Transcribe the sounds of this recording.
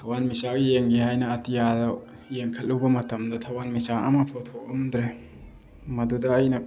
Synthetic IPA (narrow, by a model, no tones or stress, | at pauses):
t̪ʰɐwanmisaɡijeŋɡiɦajnɐːtijadɐ | jeŋkʰɐl̚luwbɐmɐtɐmdɐt̪ʰɐwanmisaɐ̰mɐpʰot̪ʰokɐmd̪ɾe | mɐdudɐːjnɐ